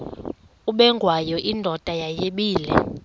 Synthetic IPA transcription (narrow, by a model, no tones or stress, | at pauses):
uɓɛŋɡʱwajɔʔindʱɔtʼajajeɓiːlɛ̰